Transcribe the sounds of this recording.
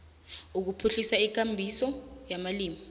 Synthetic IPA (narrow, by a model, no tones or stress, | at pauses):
uk̬upʰuɬisaik̬ambʱisɔjamaliːmi